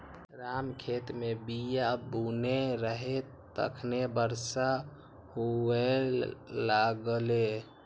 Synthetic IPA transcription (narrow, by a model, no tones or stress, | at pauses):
ɾamkʰet̪mebijabuneɾəɦe | t̪ə̰kʰnebəɾsa | hue | laɡle